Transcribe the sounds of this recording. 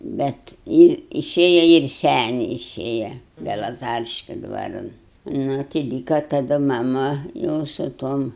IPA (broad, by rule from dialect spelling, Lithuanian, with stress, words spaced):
bʲɛt ˈjɪ ɪˈʃʲeːjɛ ɪr ˈsʲæːnʲɛɪ ɪˈʃʲeːjɛ bʲɛlˠɐˈzɑːrʲɪʃʲkʲʊ ˈdʋɑːrɐn ˈnʊ tɐɪ ˈlʲiːkɐ tɐˈdʊ mɐˈmʊ ˈjɛʊ sʊ ˈtuɔm